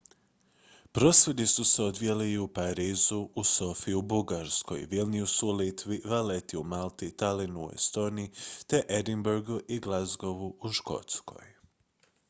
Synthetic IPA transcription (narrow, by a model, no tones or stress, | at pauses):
pɾo̞sʋed̪isuse̞o̞d̪ʋijaliːupaɾiːzuuso̞fiubuɡaɾsko̞̰jʋilniusuːlit̪ʋiʋalet̪iumalt̪it̪alinuuḛst̪o̞ːniit̪e̞ʔed̪imbuɾɡuʔiɡlˠazɡoʋuuʃko̞̰t̪sko̞̰j